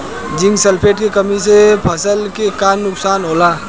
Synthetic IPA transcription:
d͡ʒɪ̃ŋɡsəlpʰeːʈkekəmis̬epʰəsəlkekaːnːʊksaːnɦoːlaː

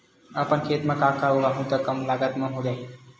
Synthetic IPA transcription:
apəɳkʰet̪mãkakauʋaɦũt̪əkəmlaɡat̪mə̃ɦod̪a

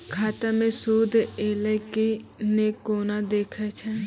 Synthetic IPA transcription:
kʰaːt̪amẽsuːd̪ʱeːləkinekoːnad̪eːkʰat͡ʃʰɛː

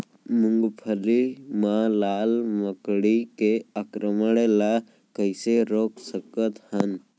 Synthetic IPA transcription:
mʊŋɡpʰəɾimalaːlməkɽikeakɾəməɽela | kəɪseɾoːksəkət̪hən

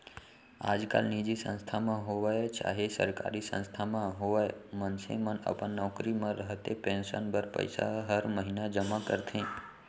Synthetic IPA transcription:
a̰d͡ʒka̰lnid͡ʒisə̰̃nst̪ʰamãɦoʋajt͡ʃa̰ɦesə̰ɾka̰ɾisə̰̃nst̪ʰamãɦoʋajemənsḛmənə̰pə̃ɳnːɔkɾimãɾəɦt̪epɛ̃nsənbʱəɾpə̰jsa̰ɦəɾməɦinad͡ʒəmakəɾt̪ʰĩ

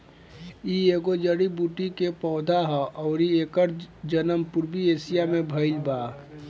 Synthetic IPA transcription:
ieːɡod͡ʒəɽibuːʈikepɔːd̪ʱaɦɔʔɔːɾieːkəɾd͡ʒənəmpʊɾbieːsijamẽbʱəɪlbaː

